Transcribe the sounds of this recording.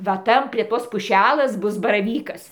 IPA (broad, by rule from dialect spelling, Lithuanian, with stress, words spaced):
ʋɐ ˈtɐn pʲrʲiɛ ˈtoːs pʊˈʃʲælʲeːs ˈbʊs bɐrɐˈʋʲiːkɐs